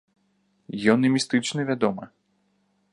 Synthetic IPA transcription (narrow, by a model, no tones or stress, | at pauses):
jʲɔnɛmʲist̪ɨt͡ʂnɨvʲad̪ɔmɐ